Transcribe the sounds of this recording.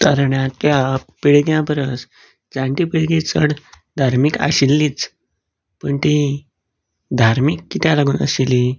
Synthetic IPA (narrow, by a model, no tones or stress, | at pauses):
t̪əɾɳjãt̪japiɭɡjãpəɾəs | d͡zãɳʈ̪ipiɭɡit͡səɽ | d̪ʱaɾmika̰ɕilːiːt͡s | pəɳt̪i | d̪ʱaɾmikːit̪jãlaɡuːnə̰sili